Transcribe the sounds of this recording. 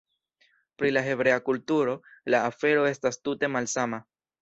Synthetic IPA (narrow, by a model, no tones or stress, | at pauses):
pɾilaɦe̞bɾe̞akultuɾo̞laːfe̞ɾo̞e̞stastute̞malsama